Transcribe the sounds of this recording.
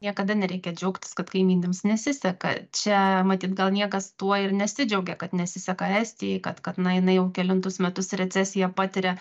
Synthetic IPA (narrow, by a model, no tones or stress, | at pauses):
nʲiɛkɐd̪ɐnʲɛɾʲɛɪkʲɛd͡ʒʲɛʊkt̪ʲɪ̥skɐt̪kɐɪmʲiːnʲɪmsnʲɛsʲɪsʲɛkɐ̰t͡ʃʲɛmɐt̪ʲiːt̪ɡɐlˠnʲiɛkɐst̪uɔɪrnʲɛsʲɪd͡ʒʲɛʊɡʲɛkɐt̪nʲɛsʲɪsʲɛkɐɛsʲt̪ʲɪjɛɪkɐt̪kɐt̪nɐjɪnɐɪjɛʊkʲɛlʲɪnt̪ʊsmʲɛt̪ʊsɾʲɛt͡sʲæːsʲɪjɛpɑːt̪ʲɪɾʲɛ